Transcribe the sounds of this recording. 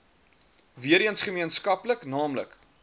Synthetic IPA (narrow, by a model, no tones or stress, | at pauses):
viəɾiənsχəmiənskɐpləknɑːmlə̰k